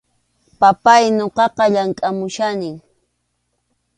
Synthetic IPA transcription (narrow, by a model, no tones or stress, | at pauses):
papajnoqɑqɑʎaŋkʼamʊʃanɪŋ